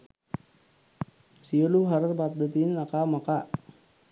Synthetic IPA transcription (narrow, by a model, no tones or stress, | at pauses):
siəluɦaɾərbap̪̚d̪ət̪inakamakaʔ